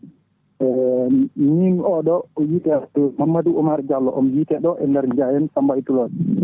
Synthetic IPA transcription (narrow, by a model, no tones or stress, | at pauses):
ɛ | ɲiŋɔɗɔjitɛtumamːaduɔmaɾɛd͡ʒalːɔʔɔmjitɛɗɔʔɛndɛɾɲd͡ʒajɛnsambaitulɔd